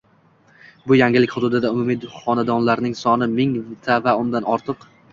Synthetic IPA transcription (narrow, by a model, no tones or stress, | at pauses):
bʊjaŋʲɪlɪkʲχʊd̪ʊd̪ɪd̪aʊmʊmij̪χɒnad̪ɒnlaɾnɪŋsɒnɪmɪŋvɪt̪ʰavaʊnd̪anɒɾt̪ʰɨq